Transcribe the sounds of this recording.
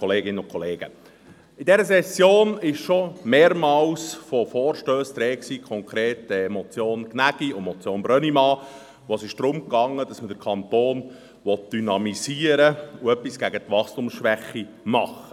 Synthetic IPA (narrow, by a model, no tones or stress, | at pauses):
kɔleːɡɪnəʊkʰɔleːɡə̰ | ɪdɛɾəsɛsːjoːnɪʃʃɔmeːɾmɑːlsfɔfɔːɾʃtøːst̪ɾɛːksiːkʰɔŋkʰɾeːtɛmɔt͡sjoːnknæɡ̥iʊmɔt͡sjoːnbɾœnimɑː | ʋosɪʃd̪̥ɾʊmkɑŋːəd̥ɑsmədəɾkʰɑnt̪oːn | ʋɔt̚d̥ynɑmiziːəɾəuœpːisɡ̥æɡət̪ʋɑχstumsʃʋæχːi | mɑχə̥